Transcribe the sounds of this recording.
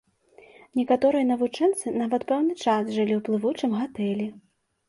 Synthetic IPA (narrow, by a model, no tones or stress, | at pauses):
nʲɛkat̪ɔɾɨjɐnɐvut͡ʂɛnt̪sɨnavɐt̪pɛwnɨt͡ʂasʐɨlʲiwplˠɨvut͡ʂɨmɣat̪ɛlʲɛ